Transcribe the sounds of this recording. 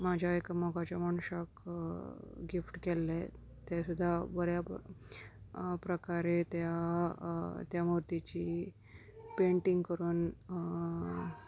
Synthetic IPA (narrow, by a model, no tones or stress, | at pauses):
mad͡ʑʱjaekmɔɡat͡ɕjaməɳuɕak | ɡifʈkɛlːɛ | t̪asud̪ʱːabəɾja | pɾəkaɾet̪ja | t̪jamuɾt̪it͡ɕiː | peɳʈiŋɡkəɾuːn